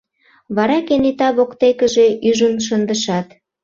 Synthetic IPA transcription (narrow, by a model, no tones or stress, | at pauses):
βɑɾɑkenet̪ɑβokt̪ekəʒe̽ʔyʒənʃ̬ənd̪əʃɑt̪